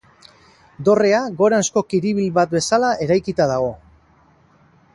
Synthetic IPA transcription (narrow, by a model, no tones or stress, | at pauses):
d̪o̞re̞aɣo̞ɾansko̞kiɾiβ̞ilβat̪̚be̞salaʔe̞ɾajkit̪aðaɣ̞o̞